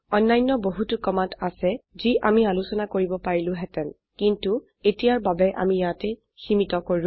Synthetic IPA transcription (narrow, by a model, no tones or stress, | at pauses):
ɔnːajnːɔboɦutukɔmatasɛziʔamialusɔnakoɹibɔpaɹilʊ̃ɦɛtɛn | kintu | etijaɹbabɛʔa̰mijatɛ | ximitɔkoʊ̃